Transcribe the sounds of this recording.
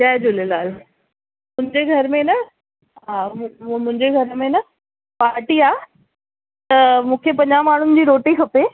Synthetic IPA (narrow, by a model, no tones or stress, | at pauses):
d͡ʑaːd͡ʑʊlelaːl | mʊ̃ɦɪ̃ɲd͡ʑeɡʱɐɾmẽnɐ | ɦaːmʊ̃ɦɪ̃ɲd͡ʑeɡʱɐɾmẽnɐ | paːɾʈiaː | t̪ɐmũːkʰepɐ̃ɲamaːɳ̤ʊnɪ̆d͡ʑiːɾoːʈikʰɐpe